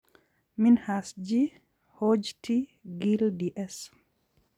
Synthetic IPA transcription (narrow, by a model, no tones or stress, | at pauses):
minhasd͡ʒi | hod͡ʒtiɡildiʔɛs